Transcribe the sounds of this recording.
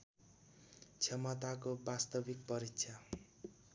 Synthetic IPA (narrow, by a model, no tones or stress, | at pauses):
t͡sʰjʌmʌt̪akobast̪ʌbik̚pʌɾiksʰa